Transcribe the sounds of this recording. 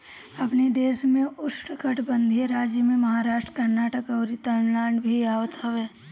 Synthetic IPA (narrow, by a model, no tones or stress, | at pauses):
ɐpned̪eːsmẽʊsʈkəʈʰbə̃nd̪ʱijeɾaːd͡ʒjəmẽmɐɦaːɾaːʃʈɾəkəɾnaːʈəkɐʊɾit̪əɳlaːɳɖbʱiaːʋt̪ʰəʋeː